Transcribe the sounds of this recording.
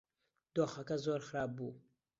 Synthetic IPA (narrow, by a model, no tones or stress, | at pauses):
d̪̥oxakazoːɾxɾɑːb̚buː